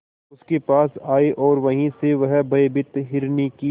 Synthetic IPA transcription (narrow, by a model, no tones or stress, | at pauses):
ʊskepaːsaːeʔɔːɾʋɐɦĩseʋɐɦbɐebɪt̪ɦɪɾniki